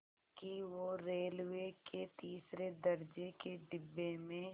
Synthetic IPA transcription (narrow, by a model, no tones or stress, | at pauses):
kiʋoɾeːlʋeket̪iːsɾed̪ɐɾd͡ʒekeɖɪbːemẽ